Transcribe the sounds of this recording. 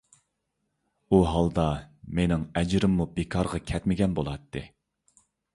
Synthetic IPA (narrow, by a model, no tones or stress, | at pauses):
uɦɑlˠd̪ɑmenɪŋɛd͡ʒɾɪmːubekʰɑɾʁɑkʲʰɛt̪mɪɡʲɛnbolˠɑt̪ʰːɨ